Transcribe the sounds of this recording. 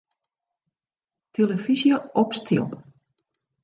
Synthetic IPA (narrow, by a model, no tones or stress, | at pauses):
tʰeləfizjəɔpstʰḭlˠ